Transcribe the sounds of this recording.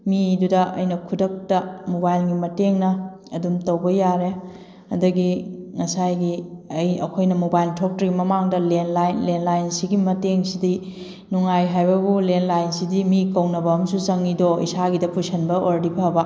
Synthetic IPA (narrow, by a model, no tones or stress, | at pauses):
midudɐʔɐ̰jnɐkʰudɐk̚tɐmobajlɡimɐteŋnɐɐdumtɐwbɐjaɾe | ɐ̰dɐɡiŋɐsajɡiɐjɐ̰kʰojnɐmobajltʰok̚tɾɐɡimɐmaŋdɐlenlajnlenlajnsiɡimɐteŋsidi | nuŋajɦajbɐbulenlajnsidimikɐwnɐbɐɐmsut͡ʃɐŋːidoḭsaɡidɐpusʰɐnbɐʔoɾdipʰɐbɐ